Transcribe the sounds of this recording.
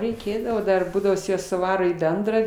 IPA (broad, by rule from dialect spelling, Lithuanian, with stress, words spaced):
rʲɛɪˈkʲeːdɐʋoː ˈdɐr ˈbuːdɐʋoː jɪs ˈjɛs sʊˈʋɑːroː iː ˈbʲɛndrɑː